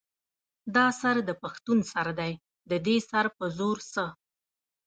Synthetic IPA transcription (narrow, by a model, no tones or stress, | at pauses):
d̪ɑsaɾd̪əpaxt̪unsaɾd̪aj | d̪əd̪esaɾpəzoɾsə